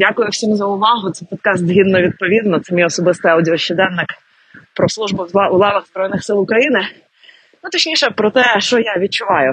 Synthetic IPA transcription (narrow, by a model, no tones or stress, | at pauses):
dʲakʊjʊwsʲimzɐʊʋɑɦʊt̪sɛpɔd̪̚kɑst̪zɦʲid̪nɔʋʲid̪̚pɔʋʲid̪nɔt̪sɛmʲijɔsɔbɪst̪ɪɐwdʲiɔʃt͡ʃɛd̪ɛnːɪk | pɾɔslˠuʒbʊulˠɑʋɐɣzbɾɔjnɪxsɪlˠʊkɾɐjinɪ | nut̪ɔt͡ʃnʲiʃɛpɾɔt̪ɛʃt͡ʃɔjaʋʲid̪̚t͡ʃʊʋɑjʊ